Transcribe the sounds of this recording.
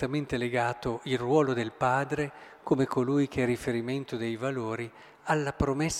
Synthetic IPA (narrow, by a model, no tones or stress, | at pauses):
t̪ament̪eleɡaːt̪oilrwɔːlod̪elpaːd̪ɾe | komekʰolujk̟eɛrːifeɾiment̪od̪ejvaloːɾi | alːapɾomesː